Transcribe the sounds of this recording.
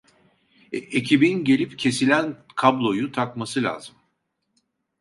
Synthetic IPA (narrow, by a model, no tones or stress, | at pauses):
ecʰibinɟe̞lʲipcʰe̞silʲænkʰablˠo̞jut̪ʰakmasɯlʲa̰ːzɯm